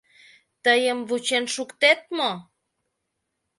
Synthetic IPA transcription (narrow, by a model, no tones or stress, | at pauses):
t̪əjəmβut͡ɕenʃukt̪et̪̚mo